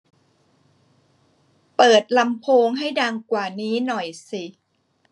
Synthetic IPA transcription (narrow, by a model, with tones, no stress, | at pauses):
pɤː˨˩t̪̚la˧mpʰoː˧ŋɦa˥˩jda˧ŋkwaː˨˩niː˦˥nɔ˨˩jsi˨˩